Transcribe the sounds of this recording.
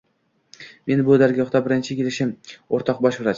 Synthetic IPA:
me̞nbʊd̪aɾɡʲɒχt̪abɪɾɪnt͡ʃʰɪkʲe̞lɪʃɪmoɾt̪ʰɒq̚bɒʃbɪɾat͡ʃ

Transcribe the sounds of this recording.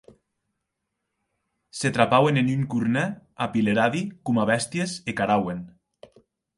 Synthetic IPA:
set̪ɾapawenenyŋkuɾnɛapileɾaðikumaβɛst̪jesekaɾawen

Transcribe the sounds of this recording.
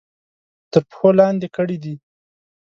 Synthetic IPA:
t̪əɾpxolɑnd̪ekəɽid̪i

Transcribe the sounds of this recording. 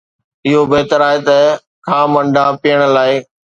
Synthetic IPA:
ɪɦobeːt̪əɾaːɦet̪ɐ | kʰãːmɐ̃ɳɖapiəɽ̃laːɪ

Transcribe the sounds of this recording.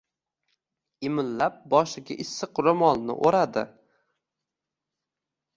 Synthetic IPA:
ɪmɪllap̚bɒʃɪɡʲa̰ʔɪsːɨqɾomɒlˠnɪ̰ʔoɾad̪ɪ̰

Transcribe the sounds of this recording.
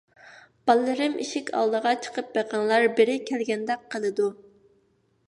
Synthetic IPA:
b̥ɑlˠːɨɾɨmʔḭʃɪkʲʰɑ̰lˠd̪əʁɑt͡ʃʰə̥qʰəp̚beqɑŋlˠɑɾbɪɾɪkʲʰɛlɡʲɛnd̪ɛk̚qʰːəlˠɨd̪u

